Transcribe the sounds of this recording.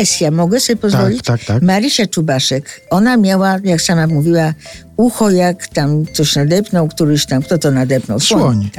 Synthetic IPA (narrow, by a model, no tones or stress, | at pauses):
ɛsʲjamɔɡɛsɔbʲjepɔzvɔlʲit͡ɕakt̪maɾiɕat͡ʂubaʂɛkɔnamʲjawajaksamamuvʲiwa | uxɔjakt̪amt̪sɔɕnad̪ɛpnɔwkt̪uɾɘɕt̪amkt̪ɔt̪ɔnad̪ɛpnɔwsɔɔɲɲi